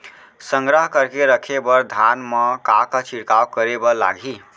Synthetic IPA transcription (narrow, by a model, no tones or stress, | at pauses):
səŋɡɾəɦkəɾkeɾəkʰebəɾd̪ʱanməkakət͡ʃiɽkawkəɾebəla̰ɡʱi